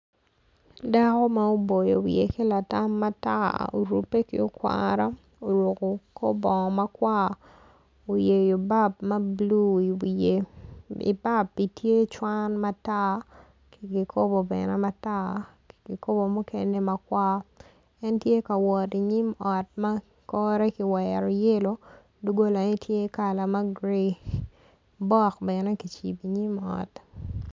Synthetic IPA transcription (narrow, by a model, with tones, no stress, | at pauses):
da˦kɔ˦ma˦o˦bo˨jo̰˨wjḛ˨ke˦la˨ta˦mːa˦ta̰˦o̰˨ɾṵ˨pːe˦kɪ̰˦o˦kwa̰ɾa˦ | o˨ɾwo˨ko˨kʰo˦bɔ˨ŋɔ˨ma˦kwa˦ | o˨je˨jo˨ba˦pma˦blu˦i˨eḭ˨ba˦pːi˨tʰje˦t͡ʃwa˦nma˦ta˦ | kɡi˨kʰo˦bo˨bɛ˨nɛ˦mata˦ | ki˨ko˦bo˨mu˦ke˦nde˦ma˦kwa˦ | ɛ˦ntje˦ka˨wɔ˨ti˨ɲi˦mɔ˨t̚ma˦ | kɔ˦ɾɛ˦ki˨wɛɾɔ˨je˦lo˦ | du˦ɡo˦la˨i˦tʰje˦ka˨la˨ma˦ɡɾi˦ | bɔ˦kbɛnɛ˦ki˨t͡ʃḭ˨bi˨ɲi˦mɔ̰˨t